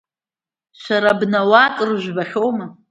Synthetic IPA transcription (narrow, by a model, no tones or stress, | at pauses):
ʃʷaɾabnawatʼɨrʒʷᶣbaχʲowma